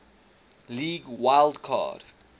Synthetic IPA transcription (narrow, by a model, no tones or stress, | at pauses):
liːɡwajldkʰa̰d